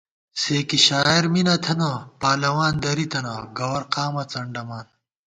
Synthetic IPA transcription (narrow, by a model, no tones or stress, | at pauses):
seːkiɕaːeɾminɐt̪ʰɐnɐpaːlɐwaːnd̪ɐɾit̪ɐnɐɡɐwɐɾqaːmɐt͡sɐɳɖɐmaːn